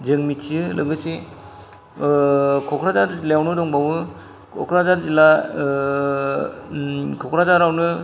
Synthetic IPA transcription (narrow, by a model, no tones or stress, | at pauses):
d͡ʒɯŋmitʰijɯlɯɡɯse | kʰɔkʰɾazaɾzilajawnɯdɔŋbawɯ | kʰɔ̰kʰɾazazila | kʰɔkʰɾazaɾawnɯ